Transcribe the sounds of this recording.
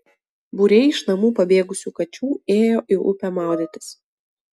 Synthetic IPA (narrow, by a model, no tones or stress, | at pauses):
buɾʲɛɪɪʃnɐmuːpɐbʲeːɡʊsʲuːkɐt͡ʃʲuːeːjoːʔɪʔʊ̰pʲɛmɑˑʊd̪ʲɪt̪ʲɪ̥s